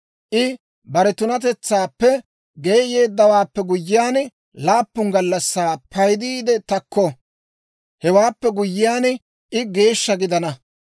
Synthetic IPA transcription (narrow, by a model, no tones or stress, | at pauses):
ʔɪ | bɐɾɛt̪ʊnɐt̪ɛt͡sːaːpːɛ | ɡejːjeːd̪ːɐwaːpːɛɡʊjːɪjaːn | laːpːʊŋɡɐlːɐsːaːpʰɐjd̪iːd̪ɛt̪ɐkːɔ | hɛwaːpːɛɡʊjːɪjaːn | ʔɪɡe̞ːʃːɐɡɪd̪ɐnɐ